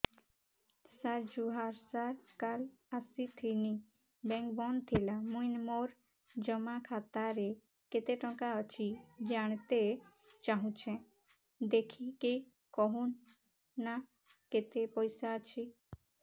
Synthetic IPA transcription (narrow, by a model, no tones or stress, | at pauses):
saɾd͡ʒuɦaɾsaɾkalasit̪ʰini | bɛ̃ŋkbɔnt̪ʰilamuinmoɾ | d͡ʒəmakʰat̪aɾe | ket̪eʈɔ̃kaət͡ʃʰid͡ʒaɳ̃t̪e | t͡ʃaɦũt͡ʃʰɛ̃ | d̪ekʰike | kɔɦunː | a | ket̪epɔjsaət͡ʃʰi